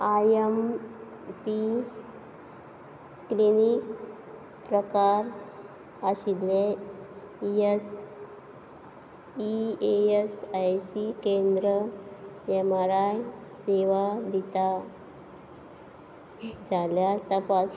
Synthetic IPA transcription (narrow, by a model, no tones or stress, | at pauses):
ajem | pi | kːlinik | pɾəkaɾ | əɕile | es | ieesajsikend̪ɾəjɛmaɾajseʋad̪it̪a | d͡zaljat̪əpas